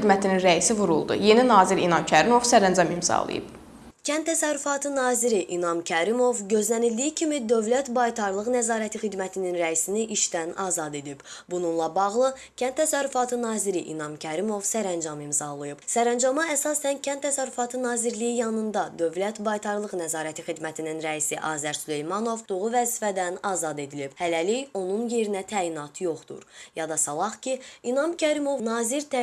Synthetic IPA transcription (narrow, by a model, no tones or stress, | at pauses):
d̪mæt̪ʰininɾæisivuɾulˠd̪ṵje̞ninɑːziɾinɑmcʰæɾimo̞vsæɾænd͡ʒɑmimzɑ̰lˠɯ̰jɯ̰b̥ | cʰænt̪ʰːæsæɾːyfɑt̪ʰɯnɑːziɾiʔinɑmcʰæɾimo̞vɟø̞zlænild̪ijicʰimid̪ø̞vlæt̪bɑjt̪ʰɑɾlˠɯɣnæzɑːɾæt̪ʰixid̪mæt̪ʰininɾæisiniʔiʃd̪ænɑ̰ːzɑd̪e̞d̪ib̥bununlˠɑbɑʁlˠɯ | cʰænt̪t̪ʰːæsæɾːyfɑt̪ʰɯnɑːziɾiʔḭnɑmcʰæɾimo̞vsæɾænd͡ʒɑmimzɑlˠɯjɯb̥sæɾænd͡ʒɑmɑæsɑsæncʰænt̪ʰːæsæɾːyfɑt̪ʰɯnɑːziɾlijijɑnɯnd̪ɑd̪ø̞vlæt̪bɑjt̪ʰɑɾlˠɯʁnæzɑːɾæt̪ʰixid̪mæt̪ʰininɾæisiʔɑːzæɾsyle̞jmɑno̞vd̪oʁuvæzifæd̪ænɑːzɑd̪e̞d̪ilibhælælijo̞nunje̞ɾinæt̪ʰæːinɑt̪ʰjo̞χd̪ṵɾjɑd̪ɑsɑlˠɑχcʰiinɑmcʰæɾimo̞vnɑːziɾt̪